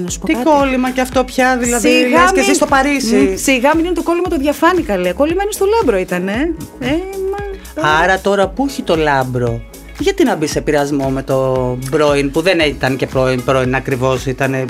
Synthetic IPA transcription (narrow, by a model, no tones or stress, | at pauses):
nɐsu̥pot̪iɐkolimɐceɐft̪o̞pçɐðilɐðilɣɐsesist̪o̞pɐɾisisiɣɐminɐnet̪oko̞limɐt̪oðʝɐfɐnikɐleko̞limɐinest̪o̞lɐbɾo̞it̪ɐneemɐ | ɐɾɐt̪o̞ɾɐpuuçit̪o̞lɐbɾo̞ | ʝɐt̪inɐbise̞piɾɐzmo̞me̞t̪o̞bɾo̞inpuðenet̪ɐnce̞pɾo̞inpɾo̞inɐkɾivo̞sit̪ɐne̞